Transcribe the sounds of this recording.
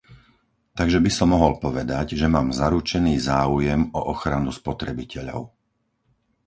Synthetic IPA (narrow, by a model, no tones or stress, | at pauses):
t̪aɡʒɛbisɔmːɔɦɔlpɔʋɛd̪aɟʒɛmaːmzaɾut͡ʃɛniːzaːujɛmɔʔɔxɾanuspɔt̪ɾɛbicɛʎɔ̰ʊ